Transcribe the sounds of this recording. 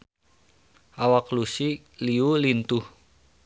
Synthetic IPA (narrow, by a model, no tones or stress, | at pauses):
ʔawaklusi | liulint̪uh